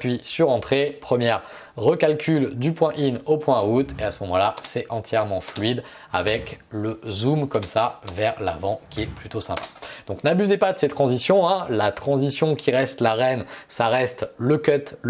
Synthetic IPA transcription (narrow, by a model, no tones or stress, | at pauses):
pɥisyʁɑ̃t̪χepχəmjɛʁ | ʁəkalkʲʰyld̪ypwɛ̃ʔinopwɛ̃ut̪easəmɔmɑ̰̃lasɛɑ̃t̪jɛʁmɑ̃flɥid̪ | a̰vɛkləzumkɔmsavɛʁla̰vɑ̃kʲiɛplyt̪osɛ̃pḁd̪̥ɔ̃knabyzepad̪əsɛt̪χɑ̃zisjɔ̃ɛ̃lat̪χɑ̃zisjɔ̃kʲiʁɛst̪laʁɛnsaʁɛst̪ləkœt̪l